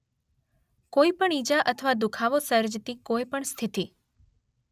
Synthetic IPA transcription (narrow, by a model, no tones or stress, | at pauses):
koipəɳid͡ʒaʔət̪ʰəʋad̪ukʰaʋosəɾd͡ʒt̪ikojpəɳst̪ʰit̪i